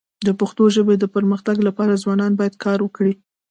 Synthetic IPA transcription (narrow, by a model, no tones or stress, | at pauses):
d̪əpaxt̪oʒəbed̪əpəɾməxt̪aɡlapɑɾazwɑnɑnbɑjad̪̚kʰɑɾwəkɽi